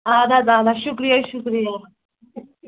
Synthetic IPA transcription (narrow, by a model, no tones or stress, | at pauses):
ad̪ad̪ad̪aʃukɾijəʃukɾijə